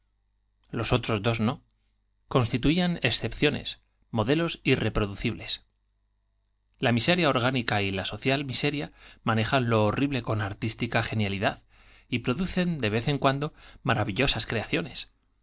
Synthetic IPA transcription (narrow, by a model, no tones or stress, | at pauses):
lo̞so̞t̪ɾo̞zðo̞zno̞ | ko̞nst̪it̪uiane̞ksθe̞pθjo̞ne̞̰s | mo̞ðe̞losire̞pɾo̞ðuθiβle̞s | lamise̞ɾjao̞ɾɣ̞anikailaso̞θjalmise̞ɾjamãne̞xanlo̞ːrʔiβle̞ko̞naɾt̪ist̪ikaxe̞njaliðað | ipɾo̞ðuθe̞nd̪e̞β̞e̞θe̞ŋkwand̪o̞maɾaβiʎo̞saskɾe̞aθjo̞ne̞s